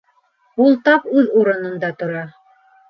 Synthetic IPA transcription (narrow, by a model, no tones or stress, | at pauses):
ulˠt̪ɑpʉðuɾɤ̆nɤ̆nd̪ɑt̪ŏɾɑ